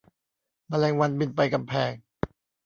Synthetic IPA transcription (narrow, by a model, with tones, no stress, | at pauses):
maː˧˩lɛː˧ŋwa˧nbi˧npa˧jka˧mpʰɛː˧˩ŋ